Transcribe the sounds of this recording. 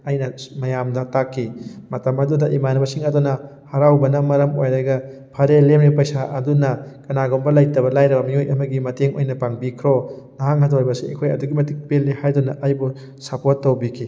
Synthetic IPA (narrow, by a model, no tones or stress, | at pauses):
ɐjnɐmɐjamdɐtakʰːimɐtɐmɐdudɐʔimanɐbɐsiŋɐdunɐ | hɐɾawbɐnɐmɐɾɐmojaɡɐ | pʰɐɾelemnipɐjsaʔɐdunɐkɐnaɡombɐlajtɐβɐlajɾɐbɐmiojɐmɐɡimɐteŋo̰jnɐpaŋbikʰɾo | nɐhaŋhatoajbɐsiḛkʰojɐ̰duɡimɐtik̚pelːihajdunɐʔajbu | sɐpotːɐwbikʰi